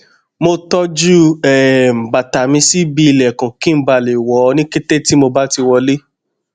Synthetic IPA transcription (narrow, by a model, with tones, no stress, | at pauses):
mo˧tɔ˦d͡ʒu˦ɛ˨m̩˨ba˨ta˨mĩ˧si˦bi˧˨lɛ˨kã˨kĩ˦m̩˦ba˧˨le˨wɔ˨˦nĩ˦ke˦te˦ti˦mo˧ba˦ti˧wɔ˧le˦